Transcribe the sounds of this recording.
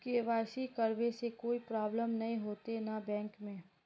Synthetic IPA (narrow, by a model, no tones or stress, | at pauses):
kiɪʋaːɪsikɐɾʋesekoːipɾaːbləmnɐɦĩɦoːt̪enabɛ̃ːŋkmẽː